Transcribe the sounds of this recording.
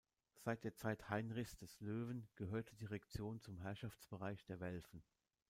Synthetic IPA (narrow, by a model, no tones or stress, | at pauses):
z̥aɪt̚d̥eːɐt͡saɪthaɪnʁɪçsd̥ɛsløːvn̩ɡ̥əɦøːɐtʰədiːʁɛkt͡sjoːnt͡sʊmɦɛɐʃaft͡sb̥əʁaɪçd̥eːɐvɛlfn̩